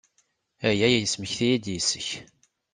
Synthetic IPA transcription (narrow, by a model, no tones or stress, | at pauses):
æjæjæjəsməçθijid̪jisəç